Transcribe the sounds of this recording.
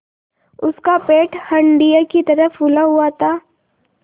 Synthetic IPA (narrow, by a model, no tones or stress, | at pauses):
ʊskapeːʈhɐ̃ɳɖijakit̪ɐɾəfʊlaɦuat̪ʰaː